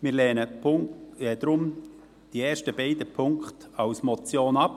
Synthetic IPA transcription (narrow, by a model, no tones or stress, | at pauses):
mɪːɾlɛːnə | ɛd̪ɾʊm | d̥iɛːʃtəbeɪdəpʰʊŋkχtɑwsmɔt͡sjoːnɑp